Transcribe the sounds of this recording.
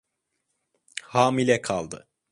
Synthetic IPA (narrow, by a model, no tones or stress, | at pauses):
haːmilʲɛkʰalˠd̪ɯ